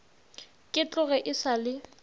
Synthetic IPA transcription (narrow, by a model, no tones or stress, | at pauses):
kʼɪt͡ɬʼʊɣɛʔɪsalɪ